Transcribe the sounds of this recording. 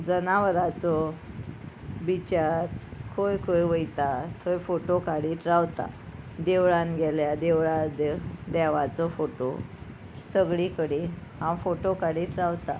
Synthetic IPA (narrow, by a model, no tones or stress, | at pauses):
d͡zənaʋəɾat͡sɔ | bit͡ɕaɾkʰojkʰojʋəjt̪at̪ʰojfoʈokaɽiːt̪ɾawt̪a̰d̪eʋɭanɡɛljad̪eʋɭad̪d̪ɛʋat͡sɔfoʈo | səɡɭikəɽiɦãfoʈokaɽiːt̪ɾawt̪a̰